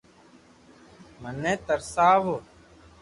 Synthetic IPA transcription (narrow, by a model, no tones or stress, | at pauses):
mənːẽːt̪əɾsaːʋoː